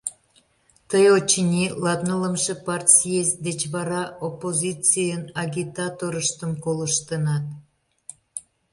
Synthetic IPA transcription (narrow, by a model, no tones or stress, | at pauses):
t̪əjot͡ɕənʲilɑt̪nələmʃepɑrt̪ʲsijesʲd̪et͡ɕβɑɾɑopːozʲit͡sijənɑɡʲit̪ɑt̪oɾəʃt̪əmkoləʃt̪ənɑt̪